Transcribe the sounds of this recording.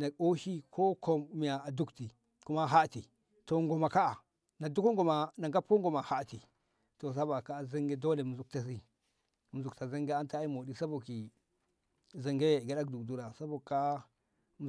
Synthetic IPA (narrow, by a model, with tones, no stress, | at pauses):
na˨o˦ʃi˦kʰo˦kʰo˨mmi˨ja˨a˨du˦kti˨ | ku˦ma˦ɦa˦ti˨ | to˨ŋɡo˨ma˨ka˦a˨ | na˨du˦ko˦ŋɡo˨ma˨na˨ŋɡa˦po˦ŋɡo˨ma˨ha˦˨ti˨ | to˨s̬a˦ba˨ka˦˨za˦ŋɡe˦do˦le˨mu˨zu˦k̚ta˨s̬i˦ | mu˨zu˨kta˨za˦ŋɡe˦a˦nta˦i˦mo˨di˦sa˦bo˨ki˨ | za˨ŋɡe˦˨ɡa˨˦ɗa˦kdu˨kdu˦ɾa˨sa˦bo˨ka˦ | m˨